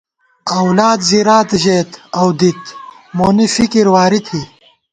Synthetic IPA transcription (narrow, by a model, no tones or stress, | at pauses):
ɐwlaːd̪ziɾaːt̪iʑeːt̪ɐwd̪it̪ | moːnifikiɾwaːɾit̪ʰi